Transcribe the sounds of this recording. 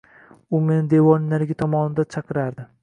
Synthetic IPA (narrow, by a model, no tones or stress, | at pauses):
ʊmenɪd̪e̞vɒnːaɾɡʲɪt̪ʰɒmɒnɪd̪at͡ʃʰɑqɨɾaɾd̪ɪ